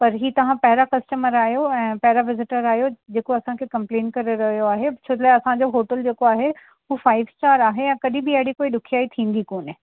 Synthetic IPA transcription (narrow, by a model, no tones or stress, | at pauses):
pɐɾɦiːt̪ɐʋ̤ãpɐɦɪɾakɐsʈəməɾaːɦjoɛ̃ːpɐɦɪɾaʋɪzɪʈəɾaːɦijod͡ʑeːkoɐsãkʰeːkɐ̃mplẽːnkɐɾeɾɐɦijoaːɦet͡ɕʰot̪ʰlaɐsãd͡ʑoɦoːʈəld͡ʑeːkoaːɦe | ufaːɪʋsʈaːɾaːɦejãkɐɗĩbɪɐɪɽikoːiɗʊkʰijaːit̪ʰĩːn̆d̪ikoːnɪ